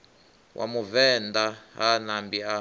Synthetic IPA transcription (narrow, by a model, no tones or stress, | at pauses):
wʔa̰muvɛndaɦanambia